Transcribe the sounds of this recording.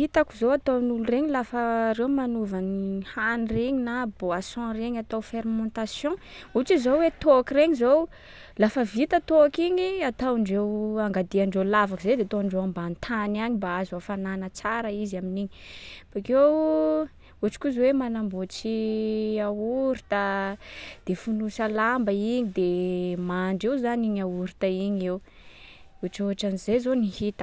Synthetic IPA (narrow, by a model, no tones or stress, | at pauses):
it̪akuzoat̪ownulureɲilafəɾewmanuvanihanireɲinaboasɔ̃reɲat̪awfeɾmɔ̃nt̪asjɔ̃ | uʈ͡ʂizowet̪oakireɲizow | lafəvit̪ət̪oakiɲiat̪awɳɖ͡ʐewaŋɡad̪iaɳɖ͡ʐelavakuzed̪eat̪oɳɖ͡ʐewambant̪ʰanaɲimbaazafananət͡saɾəizaminiɲifakew | uaʈ͡ʂi̥kuzwemanambot͡siauɾit̪ə | d̪̥efunusalambaiɲid̪emaɳɖ͡ʐewzaniɲauɾit̪aiɲew | uʈ͡ʂoɦaʈ͡ʂanizezonihit̪ə̥